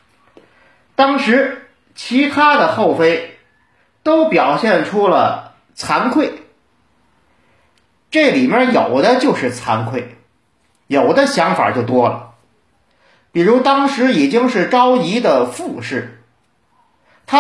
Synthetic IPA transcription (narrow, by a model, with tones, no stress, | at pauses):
t̪ɑ˥ŋʂɻ̩˧˥ | t͡ɕʰi˧˥t̪ʰa˥d̪ə˨xo˥˩ʊfe˥ɪ | t̪o˥ʊpjɑ˨˩ʊɕjɛ˥˩nʈ͡ʂʰu˥lə̰˨ | t͡sʰa˧˥nkʰwe˥˩ɪ | ʈ͡ʂɤ˥˩li˨˩mjɛ˥˧˩jo˨˩ʊd̪ə˦t͡ɕjo˥˧ʊʂɻ̩˥˩t͡sʰa˧˥nkʰwe˥˩ɪ | jo˨˩ʊd̪ə˦ɕjɑ˧˥ŋfa̰˨˩t͡ɕjo˥˩ʊt̪wɔ˥lə̰˩ | pi˨˩ɻu˧˥t̪ɑ˥ŋʂɻ̩˧˥i˨˩t͡ɕi˥ŋʂɻ̩˥˩ʈ͡ʂɑ˥ʊi˧˥d̪ə˨fu˥˧ʂɻ̩˥˩ | t̪ʰa˥